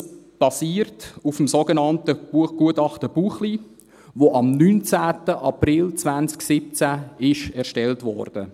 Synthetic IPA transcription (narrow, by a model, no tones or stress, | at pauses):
b̥ɑsiːrtufəmsoɡənɑntəb̥uəχɡ̥uətɑχtəb̥uːχli | voʔɑmnynt͡sæːtəʔɑprɪlt͡svænt͡sksɪp̚t͡sæɪʃɛʁʃtɛltvɔ̰rd̥ə